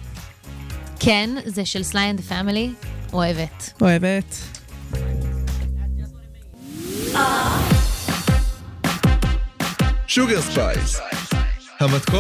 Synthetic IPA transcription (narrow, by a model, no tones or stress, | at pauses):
kʰenzeʃelslajãnd̪əfamilioevetoevet | ʃuɡəʁspa̰js | hamat̪kɔ